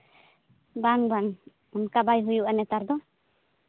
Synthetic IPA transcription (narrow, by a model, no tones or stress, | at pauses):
baŋbaŋ | unkabajɦujuʔanɛt̪aɾd̪ɔ